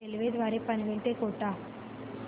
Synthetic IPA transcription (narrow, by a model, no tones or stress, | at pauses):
eliʋeːd̪ʋaːɾeːpɐniʋeɭt̪eːkoːʈːaː